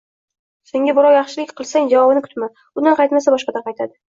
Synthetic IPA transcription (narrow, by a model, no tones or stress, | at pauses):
se̞ŋɡʲabɪɾɒwjɑχʃɪlɪkʲqʰɨlˠsaŋd͡ʒavɒbɪnɪkʰʊ̥t̪ma | ʊnanqʰɑjt̪masabɒʃqɑd̪anqʰɑjt̪ʰad̪ɪ